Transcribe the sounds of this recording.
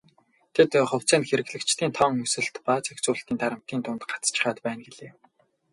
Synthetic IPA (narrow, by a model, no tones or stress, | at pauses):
t̪ʰet̪χʊw̥ʲt͡sæːnt̪xeɾɘ̆ɣɮɘ̆kt͡ɕt̪ʰiːnt̪ʰɔŋɵsɘ̆ɬt̪paːt͡sekt͡sʊːɬt̪iːnt̪aɾə̆m̥t̪iːnt̪ʰʊnt̪ɢḁt͡st͡ɕɪ̆χaːt̪pæːnɡeɮeː